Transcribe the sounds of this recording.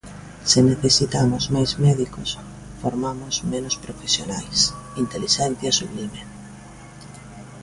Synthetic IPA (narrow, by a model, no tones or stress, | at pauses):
seneθesit̪amʊzmajzmɛðikos | foɾmamʊsmenospɾofesjonajsint̪eliʃɛn̟θjɐsuβlime